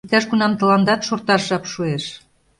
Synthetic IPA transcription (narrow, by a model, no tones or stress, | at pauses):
t̪æʃɡunɑmt̪ə̆lɑnd̪ɑt̪ʃort̪ɑʃʒɑpʃueʃ